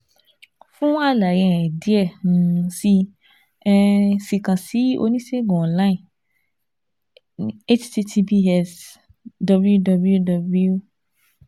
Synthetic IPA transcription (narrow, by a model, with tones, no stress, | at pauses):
fũ˦a˦˨la˨jɛ̃˨ɛ˨di˨˦ɛ˦˨ñ˨si˧˦ | si˨kã˨si˨˦o̰˧nĩ˦se˦ɡɔ̃˨ɔ̃˨la˦ĩ˨ | e˦t͡ʃti˧tʰi˧bi˦ɛ˦˧s | dɔ˧blju˦dɔ˧blju˦dɔ˧bu˦ju˦